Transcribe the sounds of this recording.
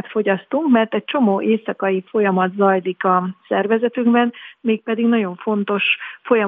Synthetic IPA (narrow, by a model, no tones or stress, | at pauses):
t̪fo̞ɟɒst̪uŋkmɛrt̪ɛc̚t͡ʃo̞moːʔeːsɒkɒjifo̞jɒmɒd̪zɒjlikɒsɛrvɛzɛt̪yŋɡbɛnmeːk̚pɛd̪iɡnɒɟo̞ɱfo̞nt̪o̞ʃfo̞jɒ